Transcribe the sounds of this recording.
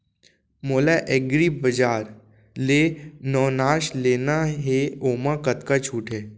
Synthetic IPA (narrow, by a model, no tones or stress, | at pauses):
moːlaʔeɡɾibəd͡ʒaːɾ | leːnɔːnaːʃleːnaɦeoːmakət̪kat͡ʃʰuːʈɦɛː